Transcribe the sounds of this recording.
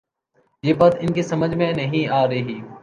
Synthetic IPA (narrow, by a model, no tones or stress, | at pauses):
jeːbaːt̪ɪnkisɐməd͡ʒʱmẽnɐɦĩaːɾɐɦiː